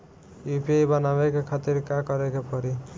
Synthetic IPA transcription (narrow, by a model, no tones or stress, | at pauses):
jupibʌnabekekʰat̪iɾkakʌɾekepɔɾi